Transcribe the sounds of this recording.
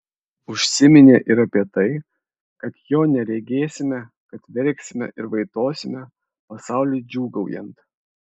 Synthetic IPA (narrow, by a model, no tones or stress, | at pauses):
ʊʃʲsʲɪmʲɪnʲeːʔɪɾɐpʲiɛt̪ɐɪ | kɐt̪joːnʲɛɾʲɛɡʲeːsʲɪmʲɛ | kɐt̪ʋʲɛɾʲˑksʲɪmʲɛ̰ʔɪɾʋɐɪt̪oːsʲɪmʲɛ | pɐsɑˑʊlʲuɪd͡ʒʲuːɡɐʊjɛ̰mt̪